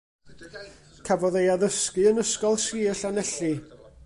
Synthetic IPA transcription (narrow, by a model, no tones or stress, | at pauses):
kʰavɔðejaðəskɨənəskɔlˠsiːəɬanɛɬɨ